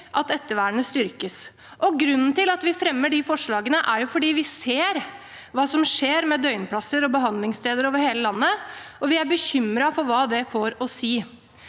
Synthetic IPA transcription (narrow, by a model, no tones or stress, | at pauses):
ʔɑt̪ɛt̪ːəʋæːɳəst̪ʏɾkəs | ʔɔɡɾʉnːn̩t̪ɪlɑt̪ʋɪfɾɛmːəɖɪfɔʂɭɑːɡənəʔæɾjʊfɔɖiːʋɪseːɾ | ʋɑːsɔmʂeːɾmɛd̪œʏnpʰlɑsəɾɔbəɦɑnd̪lɪŋst̪eːd̪əɾoːʋəɾheːləlɑnːəɔʋɪæɾbəçʏmɾɑfɔɾʋɑːd̪ɛfoɾɔsiː